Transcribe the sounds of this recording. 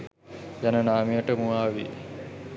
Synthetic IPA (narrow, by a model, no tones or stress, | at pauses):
janənaːmijəʈəmuaːʋḭ